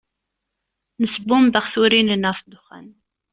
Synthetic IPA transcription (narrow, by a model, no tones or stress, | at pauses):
nəsəbʊmbəʁθuɾinənəsˤd̪ʊχæ̰n